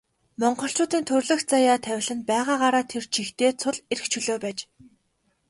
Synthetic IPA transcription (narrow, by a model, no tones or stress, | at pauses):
mɔɴɢɞ̆ɬt͡ɕʊːt̪iːnt̪ʰɵrɮɵ̆xt͡sajaːt̪ʰæwʲɪ̆ɮɘ̆npæːʁaːʁaɾaːt̪ʰert͡ɕʰixt̪eːt͡sʰʊɮeɾɘ̆kt͡ɕʰɵɮoːpæːt͡ɕ